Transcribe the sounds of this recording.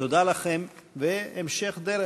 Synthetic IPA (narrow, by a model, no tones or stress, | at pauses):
od̪alaχemveemʃeχd̪eɾe